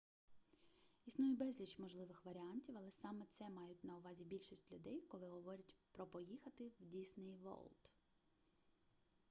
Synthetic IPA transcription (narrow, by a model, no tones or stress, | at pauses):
isnujʊbɛzʲlʲit͡ʃmɔʒlˠɪʋɪxʋɐɾʲɪɑnʲtʲiwɐlˠɛsɑmɛt̪sɛmɑjʊtʲnɐʊʋɑzʲibʲilʲʃisʲtʲlʲʊd̪ɛjkɔlˠɪɦɔʋɔɾʲɐtʲpɾɔpɔjixɐt̪ɪwdʲisnɪjʋɔ̰lˠt̪